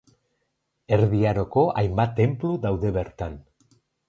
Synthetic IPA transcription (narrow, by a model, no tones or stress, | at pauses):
e̞ɾðiaɾo̞ko̞ʔajmbat̪ːe̞mpluðawðe̞βe̞ɾt̪an